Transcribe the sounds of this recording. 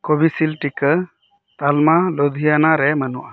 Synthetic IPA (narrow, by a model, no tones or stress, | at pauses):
kobisilʈikə | t̪almalod̪ʱijanaɾɛmənuʔa